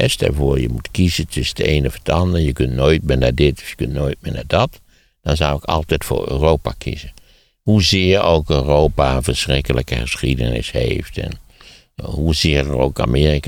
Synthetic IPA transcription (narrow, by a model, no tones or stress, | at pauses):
ɛstɛ̰ɹvoːɹjəmutkizətʰʏsdəejnəfɔdɑndəɹjəkøntnoːjt̚mɪːɹnadɪtɔfjəkøntnoːjt̚mɪːnadɑt | d̥ɑnzawɪkɑlˠtɛjtfʊ̰ːɹø̰ːrowpakʰḭzə | huzɪːɹowkøːrowpaənvəɹsrɪkələkəəsχidə̰nɪ̰shḛjftɛ̰n | ɦuzɪːrəro̰ːka̰miːrik